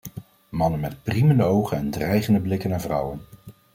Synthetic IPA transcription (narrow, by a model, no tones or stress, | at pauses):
mɑnənmɛt̚priməndəowχənɛndrɛjχəndəblɪkənaːɹvrʌ̰wən